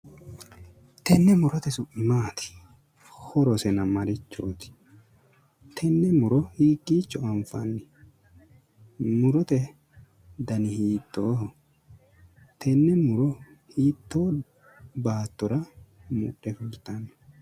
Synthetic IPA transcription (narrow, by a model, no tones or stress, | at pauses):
t̪ʰɛnːɛmʊɾɔt̪ɛsʊmaːt̪ɪ̥ | hɔɾɔsɛnɐmɐɾɪt͡ʃːoːt̪ɪ̥ | t̪ʰɛnːɛmʊɾɔhiːkʼːiːt͡ʃːɔɐɱfɐ̰nːɪ | mʊɾɔt̪ɛ | d̪ɐnɪhiːt̪ːoː | t̪ʰɛnːɛmʊɾɔ | hiːt̪ːoː | baːt̪ːɔɾɐmṵɗːɛfʊlt̪ːɐnː